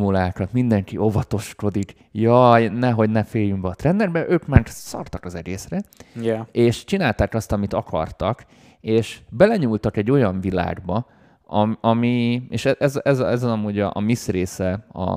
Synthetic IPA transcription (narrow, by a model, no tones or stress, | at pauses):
mulaːkɒt̪mind̪ɛŋkiʔo̞vɒt̪o̞ʃko̞d̪ik | jɒjnɛɦo̞ɟnɛfeːjymbɛɒt̪rɛnd̪ɛrbɛʔøːkmaːrsɒ̰rt̪ɒkɒzɛɡeːsrɛɛeːʃt͡ʃinaːlt̪aːkɒst̪ɒmit̪ɒkʰɒ̰rt̪ɒk | eːʃbɛlɛɲuːlt̪ɒkɛɟːo̞jɒɱvila̰ːɡbɒ | ɒɒmieːʃɛʔɛzɛzɛzɒmuːɟɒʔːmisreːsɛɒ̰